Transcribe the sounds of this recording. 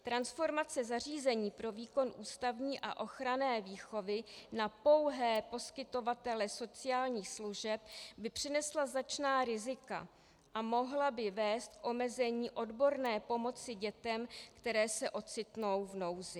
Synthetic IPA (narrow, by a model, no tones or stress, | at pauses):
t̪ɾansfo̞ɾmat͡sɛzar̝iːzɛɲiːpɾo̞viːko̞nʔuːst̪avɲiːʔa̰ʔo̞xɾanɛːviːxo̞vɪnapo̞wɦɛːpo̞skɪt̪o̞vat̪ɛlɛso̞t͡sɪjaːlɲiːxsluʒɛp̚bɪpr̝̥ɪnɛslaznat͡ʃnaːɾɪzɪka̰ | ʔamo̞ɦlabɪvɛːst̪̚kʔo̞mɛzɛɲiːʔo̞dbo̞ɾnɛːpo̞mo̞t͡sɪɟɛt̪ɛmkt̪ɛɾɛːsɛʔo̞t͡sɪt̪no̞wvno̞wzɪ